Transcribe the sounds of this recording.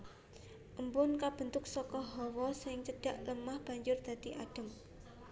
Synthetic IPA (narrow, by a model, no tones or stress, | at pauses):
ʔəmpʊnkab̥ə̤nt̪ʊk̚sɔkɔɦɔwɔsɪŋt͡ʃəɖ̥a̤ʔləmahb̥a̤ɲd͡ʒʊrd̪̥a̤t̪iʔa̰ɖ̥ə̤m